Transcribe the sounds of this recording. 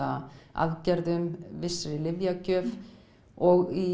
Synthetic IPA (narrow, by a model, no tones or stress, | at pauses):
aa̰ðcɛɾðʏmvɪsɾɪlɪvjacʰœːf | ɔɣi